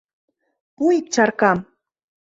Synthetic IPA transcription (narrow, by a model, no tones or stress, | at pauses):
pʊjt͡ʃaɾkam